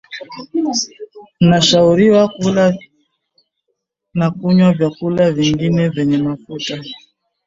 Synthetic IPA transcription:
naʃauɾiwakula | nakuɲwavjakulaviŋɡinɛvɛɲɛmafuta

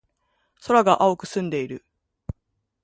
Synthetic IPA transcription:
so̞ɾaɡaʔaokɯ̟̥sɨ̃nd̪e̞iɾɯ̟

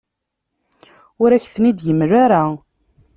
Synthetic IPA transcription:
ʊɾæçθnid̪jəmːɾaɾa

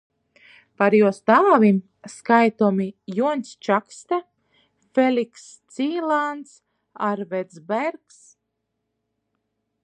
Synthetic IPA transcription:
paɾjuɔst̪aːvim | skajt̪ɔmijuɔnsʲt͡ʃakst̪a | felʲikst̪siːlˠant̪s | aɾvɛd̪zbɛɾks

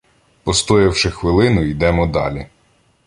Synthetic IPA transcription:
pɔst̪ɔjɐwʃɪxʋɪlˠɪnʊid̪ɛmɔd̪ɑ̰lʲi

